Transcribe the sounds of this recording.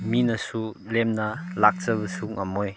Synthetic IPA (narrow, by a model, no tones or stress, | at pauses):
minɐsulemnɐlak̚t͡sɐbɐsuŋɐmoj